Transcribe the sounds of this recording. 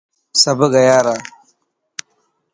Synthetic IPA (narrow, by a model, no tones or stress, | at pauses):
sɐbəɡɐjaːɾa